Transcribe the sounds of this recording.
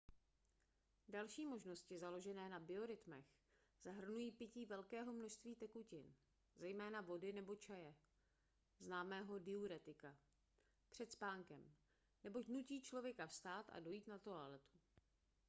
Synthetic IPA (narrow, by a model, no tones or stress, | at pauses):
dalʃiːmo̞ʒno̞scɪzalo̞ʒɛnɛːnabɪo̞ɾɪt̪mɛx | z̥aɦr̩nujiːpɪciːvɛlkɛːɦo̞mno̞ʃst̪viːt̪ɛkucɪn | zɛjmɛːnavo̞dɪnɛbo̞t͡ʃajɛ | znaːmɛːɦo̞dɪuɾɛt̪ɪka | pr̥ɛt̪spaːŋkɛm | nɛbo̞cnuciːt͡ʃlo̞vjɛkafst̪aːt̪a̰do̞jiːt̪nat̪o̞alɛt̪u̥